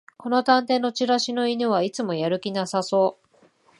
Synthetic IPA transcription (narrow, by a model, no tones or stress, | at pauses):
ko̞no̞t̪ãnt̪e̞ːnːo̞t͡ɕiɾaɕino̞inɯβ̞ait͡sɨmo̞jaɾɯ̟kʲinasaso̞ː